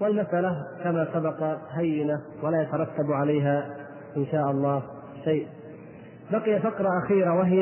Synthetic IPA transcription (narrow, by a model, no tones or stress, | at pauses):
wɪlmasʔalakamaːsabɑqɑɦajːɪna | walaːjat̪ɑɾˤɑt̪ːabʕalajɦa | ʔɪnʃaːʔɑlˤːɑː | ʃajʔ | baqɪjafɑqɾˤɑʔaxiːɾawaɦɪj